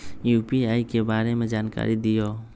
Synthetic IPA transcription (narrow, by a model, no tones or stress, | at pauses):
juːpiaːikebaːɾemẽd͡ʒaːnka̰ːɾid̪ijo